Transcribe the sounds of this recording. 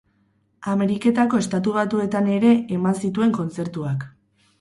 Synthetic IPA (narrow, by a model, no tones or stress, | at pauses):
ame̞ɾike̞t̪ako̞e̞st̪at̪uβ̞at̪ue̞t̪ane̞ɾe̞ːmansit̪ue̞ŋko̞nt͡se̞ɾt̪uak